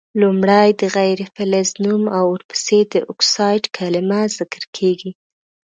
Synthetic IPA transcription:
lumɽajd̪əɣajɾefɪlaznumawʊɾpə̥sed̪əʔʊksɑjɖkʰalɪmazɪkəɾkʰeɡi

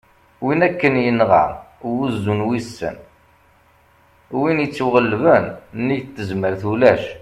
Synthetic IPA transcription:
winækːənjinʁɑ̰wuzːunwisːə̰n | winjət͡sːuʁəlːvənnijt̪ːəzməɾθulæʃ

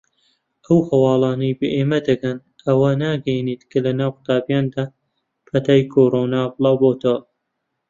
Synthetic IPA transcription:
ʔɐwhɐwɑːlˠɑːnɐjbeʔeːmɐd̪ɐkɐn | ʔɐwɐnaːɡɐjniːt̪kʰɐlɐnaːwqt̪aːbjaːnd̪aː | fɐt̪aːjkʰoːɾoːnaːbɨlˠɑːwboːt̪ʰɐwɐ

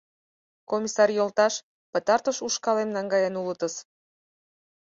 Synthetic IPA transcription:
komʲisɑrjolt̪ɑʃ | pə̆t̪ɑrt̪əʃuʃkɑlemnɑŋɡɑjenulət̪əs

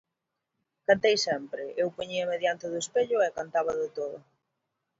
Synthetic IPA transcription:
kant̪ejsɛmpɾɪʔewpoɲiɐmeðjant̪ɪðʊespeʎʊɛkant̪aβɐðʊt̪oðʊ

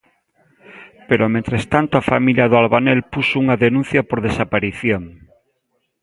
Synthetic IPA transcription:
peɾomẽnt̪ɾest̪ant̪oafamiljaðoalβanelpusouŋaðenũn̟θjapoɾðesapaɾiθjoŋ

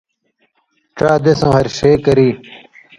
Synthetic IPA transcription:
ʈ͡ʂaːd̪esõhɐɾɕeːkɐɾiː

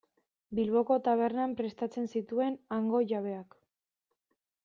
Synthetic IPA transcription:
bilβo̞ko̞t̪aβ̞e̞ɾnampɾe̞st̪at͡se̞nsit̪ue̞naŋɡo̞ʝaβ̞e̞ak

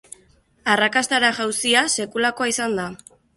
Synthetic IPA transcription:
arakast̪aɾaʝawsiase̞kulako̞aisand̪a

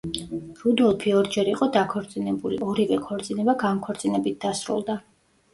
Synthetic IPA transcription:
ɾud̪ulˠpʰiɔɾd͡ʒɛɾiqʼɔd̪akʰɔɾt̪sʼinɛbulḭɔɾivɛkʰɔɾt̪sʼinɛbaɡamkʰɔɾt̪sʼinɛbit̪̚ʰd̪asɾṵlˠd̪a

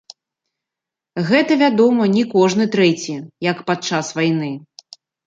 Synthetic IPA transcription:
ɣɛt̪ɐvʲad̪ɔmɐnʲikɔʐnɨt̪ɾɛt͡sʲijɐkpat̪̚t͡ʂasvajnɨ

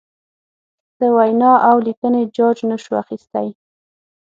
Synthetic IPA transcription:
d̪̥əwajnɑʔawlikəned͡ʒɑd͡ʒnəʃua̰xist̪aj

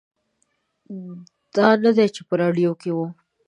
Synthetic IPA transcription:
d̪̥ɑnad̪et͡ʃepəɾɑɖjokewo

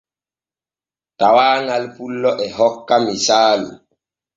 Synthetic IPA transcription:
tawaːŋalpulːɔʔɛɦɔkːamisaːlṵ

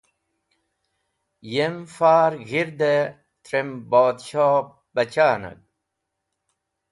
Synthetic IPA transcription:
jemfaːɾɣiɾd̪e | t̪ɾemboːd̪ɕoː | bɐt͡ɕaːnɐ̰ɡ̚

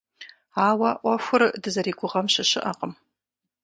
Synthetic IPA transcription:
aːwɐʔʷɐxʷʊrdɨzɐɾiːɡʷʊʁɐmɕɐʃɨʔaqʼəm

